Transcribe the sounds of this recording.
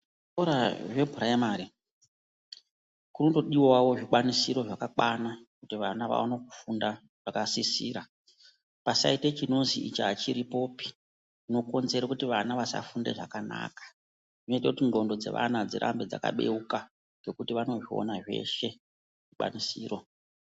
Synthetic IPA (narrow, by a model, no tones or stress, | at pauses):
ɾaʐe̞bʱuraemaɾi | kuno̞to̞ɗiwawo̞ʐikanisiɾo̞ʐakaɓwanakutiʋanaʋa̰wanoku̥funda | ʐakasisḭːɾa | pasa̰itet͡ʃino̞ziʔḭt͡ʃaːt͡ʃiɾipo̞ːpi̥ | ino̞ko̞nze̞ɾakutiʋanaʋasa̰funde̞̰ʐakana̰ːkḁ | ʐino̞itakutiŋɡo̞ndo̞d͡ze̞̰ʋa̰nad͡zeɾʔa̰mbed͡za̰ka̰ɓe̞̰uka | ŋɡe̞kutiʋano̞ʐio̞̰naʐe̞̰ʃe̞ | ʐ̥iɓa̰nisiːro̞